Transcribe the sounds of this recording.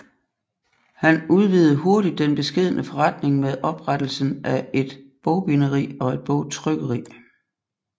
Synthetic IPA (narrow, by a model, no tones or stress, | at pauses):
hænuð̞ˠʋiːð̩ˠəɦo̝ɐdid̥ːenb̥e̝sɡ̥e̝ð̞̰ˠənʔəfɒ̽ʁɑd̥ne̝ŋmeðˠʔɒ̽b̥ʁɑd̥l̩sn̩ʔæe̝d̥b̥ɔʊb̥inəʁḭːɒ̽e̝d̥̚b̥ɔʊt͡sʰʁœɡ̥əʁḭ